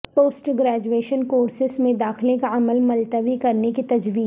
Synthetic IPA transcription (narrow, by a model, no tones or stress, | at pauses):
poːsʈɡɾɛːd͡ʒueːʃənkoːɾsɪsmẽd̪aːxɪlẽkaɐməlmɐlt̪əʋikɐɾnekit̪ɐd͡ʒʋiː